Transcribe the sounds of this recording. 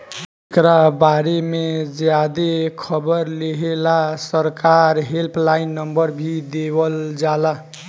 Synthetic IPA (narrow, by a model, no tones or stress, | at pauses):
tekɾabaɾemed͡ʒjad̪ekʰʌbəɾleɦelasəɾkaɾɦelpʰlainːəmbəɾbʱid̪ebəld͡ʒala